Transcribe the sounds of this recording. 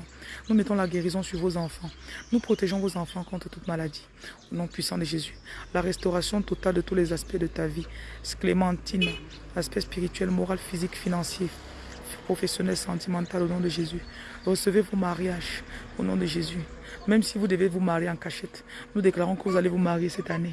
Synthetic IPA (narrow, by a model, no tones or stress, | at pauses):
numɛt̪ɔ̃laɡeʁizɔ̃syʁvozɑ̃fɑ̃nupχɔt̪eʒɔ̃vozɑ̃fɑ̃kɔ̃t̪χət̪ut̪malad̪i | onɔ̃pɥisɑ̃d̪əʒezylaʁɛst̪ɔʁasjɔ̃t̪ɔt̪ald̪ət̪ulɛzaspɛd̪ət̪avisklemɑ̃t̪ʰin | aspɛspiʁit̪ɥɛlmɔʁalfizikfinɑ̃sje | pχɔfɛsjɔnɛlsɑ̃t̪imɑ̃t̪alonɔ̃d̪əʒezy | ʁəsəvevomaʁjaʒ | onɔ̃d̪əʒezy | mɛmsivud̪əvevumaʁjeɑ̃kaʃɛt̪ | nud̪eklaʁɔ̃kəvuzalevumaʁijesɛt̪ane